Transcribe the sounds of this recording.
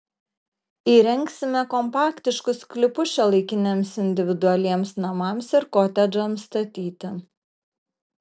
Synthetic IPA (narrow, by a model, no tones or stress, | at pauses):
iːɾʲɛŋʲksʲɪmʲɛkɔmpɑːkt̪ʲɪʃkʊskʲlʲɪpʊʃʲʃʲɛlˠɐɪkʲɪnʲeːmsɪnʲd̪ʲɪʋʲɪd̪ʊɐlʲiɛmsnɐmɐˑmsɪɾkɔt̪ʲɛd͡ʒʲɛmst̪ɐt̪ʲiːt̪ʲɪ